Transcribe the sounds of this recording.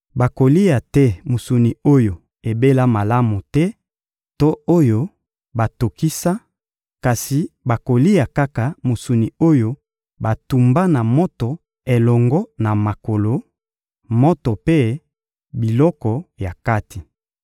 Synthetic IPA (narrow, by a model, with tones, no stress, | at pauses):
ba˨ko˨li˦ja˨tɛ˦mo˨su˨ni˨o˦jo˨ | e˨be˦la˦ma˨la˦mu˨tɛ˦ | to˦o˦jo˦ | ba˨to˨ki˦sa˦ | ka˨si˨ba˨ko˨li˦ja˨ka˦ka˨mo˨su˨ni˨o˦jo˦ | ba˨tu˨mba˦na˨mo˦to˨ | e˨lɔ˨ŋɡɔ˦na˨ma˨ko˨lo˦ | mo˦to˨pe˦ | bi˨lɔ˦kɔ˨ja˨ka˦ti˨